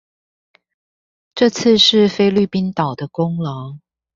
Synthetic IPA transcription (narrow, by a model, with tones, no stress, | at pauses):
ʈ͡ʂɤ˥˧t͡s̩ʰ˥˧ʂɻ̩˥˩fe˥ɪly˥˩pi˦nt̪ɑ˨˩ʊd̪ə˦kʊ˦ŋlə˨˦ŋ